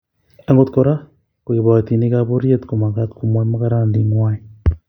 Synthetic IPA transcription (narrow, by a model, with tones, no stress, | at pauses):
e˦ŋɡo˦tu̥koɾa˦ | kwe˨βa˨ti˨ni˦ɣaβoɾje˦tkoma˨ɣatkoma˦maka˦ɾaː˦ndi˨ŋwa˦i